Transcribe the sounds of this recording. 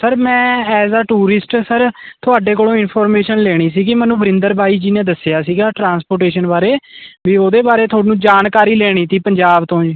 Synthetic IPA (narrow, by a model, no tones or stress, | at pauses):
səɾmɛ̃ːɛːzaːʈuːɾɪsʈsəɾt̪ʰʊaːɖeːkoːlõːɪnpʰɔːɾmeːʃənleːɽ̃iːsiːkɪmɛ̃ːnũːbəɾɪ̃nd̪əɾbʱaːiːd͡ʒiːnẽːd̪əsejaːsiːɡaːʈɾãːnspoːɾʈeːʃənbaːɾeːʋiːoːd̪eːbaːɾeːt̪ʰʊoːɽinũːd͡ʒaːnkaːɾiːleːɽ̃iːt̪iːpəɲd͡ʒaːbt̪õːd͡ʒiː